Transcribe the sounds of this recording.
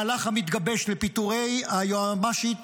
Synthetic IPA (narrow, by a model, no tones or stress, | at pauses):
laχamit̪ɡabe̞ʃlepit̪uʁejajoamaʃit